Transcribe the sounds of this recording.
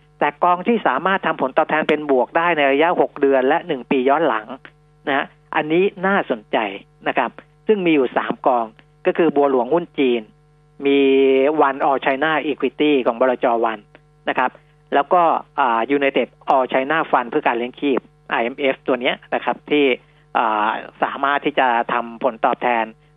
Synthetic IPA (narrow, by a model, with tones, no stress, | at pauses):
t̪ɛː˨˩kɔː˧ŋt̪ʰiː˥˩saː˩˦maː˥˩t̪ʰːa˧mpʰo˩˦nt̪ɔː˨˩p̚t̪ʰɛː˧npe˧nbu˨˩ək̚daː˥˩jna˧jɾa˧ja˦˥ʔho˨˩k̚dɯ˧ənlɛ˦˥ʔnɯ˨˩ŋpiː˧jɔː˦˥nla˩˦ŋ | na˦˥ha˦˥ | ʔa˧nːiː˦˥naː˥˩so˨˩˦nt͡ɕa˧j | na˦˥kʰa˦˥p̚ | sɯ˥˩ŋmiː˧juː˨˩sa̰ː˩˦mkɔː˧ŋ | kɔː˥˩kʰɯː˧bu˧ɐlu˨˩˦əŋhu˥˩nt͡ɕiː˧n | miː˧wa˧nʔɔː˧t͡ɕʰa˧jnaː˥˩ʔiː˧kʰwi˧t̪iː˥˩kʰɔː˩˦ŋbɔː˧ɾaː˧t͡ɕɔː˧wa˧nː | a˦˥kʰa˦˥p̚ | lɛː˦˥wkɔː˥˩ʔaː˨˩juː˨˩na˧jt̪e˨˩t̪̚ʔɔː˧t͡ɕʰa˧jnaː˥˩fa˧npʰɯ˥˩ɐkaː˧nli˦˥əŋkʰiː˥˩p̚ | ʔa˧ʔe˧mʔe˦˥ft̪u˧əni˦˥ɐna˦˥kʰa˦˥p̚t̪ʰiː˥˩ | ʔaː˨˩saː˩˦maː˥˩t̪ʰːiː˥˩t͡ɕa˨˩t̪ʰa˧mpʰo˩˦nt̪ɔː˨˩p̚t̪ʰɛː˧n